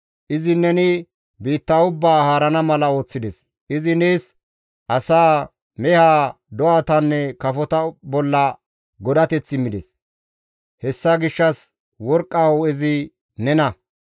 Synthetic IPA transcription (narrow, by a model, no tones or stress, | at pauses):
ʔɪzɪnɛnɪ | biːt̪ːaʊbːaːhaːɾɐnɐmɐlɐo̞ːt͡sːɪd̪ɛs | ʔɪzɪneːs | ʔɐsaː | mɛhaː | d̪ɔaːt̪ɐnːɛkɐfɔt̪ɐbɔlːɐ | ɡɔd̪ɐt̪ɛt͡sːɪmɪd̪ɛs | hɛsːaɡɪʃːɐs | wɔɾkʼːawʊɛzɪ | nɛnɐ